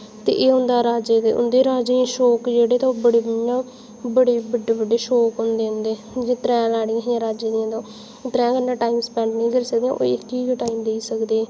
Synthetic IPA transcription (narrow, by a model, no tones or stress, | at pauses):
t̪ḛːʔeːɦʊ̃nd̪aːɾaːd͡ʒeːd̪eːʔʊ̰nd̪eːɾaːd͡ʒẽːʃɔːkd͡ʒeːɽeːt̪ãbəɽeːbjãː | bəɽeːbəɖːeːbəɖeːʃɔːkɦʊnd̪eːʊnd̪eː | eeːt̪ɾɛ̃ːlaːɽij̃ːɦãːɾaːd͡ʒeːd̪ijãːt̪õː | t̪ɾɛ̃ːɡənːãːʈaːiːmspɛ̃ːɳʈnĩːkəɾisək̚d̪eːãʔo̰ɪkiːɡːʈaːiːmd̪eiːsəkd̪eː